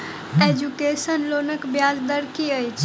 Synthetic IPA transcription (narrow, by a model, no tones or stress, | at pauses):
ed͡ʒukesənlonəkbjad͡ʒd̪əɾkiəjt͡ʃʰ